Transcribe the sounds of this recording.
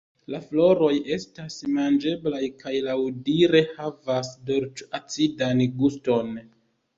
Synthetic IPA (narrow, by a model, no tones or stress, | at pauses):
laflo̞ɾo̞je̞stasmand͡ʒe̞blajkajlawdiɾe̞havasdo̞ɾt͡ʃat͡sidanɡusto̞n